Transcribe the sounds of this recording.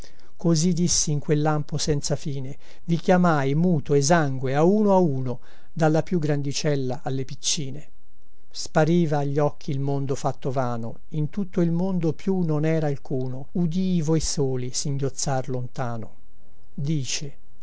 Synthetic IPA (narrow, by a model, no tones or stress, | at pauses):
kozid̪isːiːŋkwelːamposɛnt̪safiːne | vikjamajmuːt̪oez̬aŋɡweauːnoauːno | d̪alːapjuɡɾand̪it͡ʃɛlːaʔalːepit͡ʃːiːne | spaɾiːvaːʎːɔkʰːiːlmond̪ofat̪ːovaːno̰ | int̪ut̪ːoilmond̪opjunonɛːɾaːlkʰuːnoud̪ivɔjsoːlisiŋɟjot̪sːarlont̪aːno | d̪iːt͡ʃe